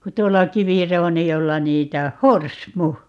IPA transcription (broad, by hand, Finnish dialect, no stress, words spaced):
ku tuolːɑ kiʋirounijolːɑ niːtæ oh̆ horsmu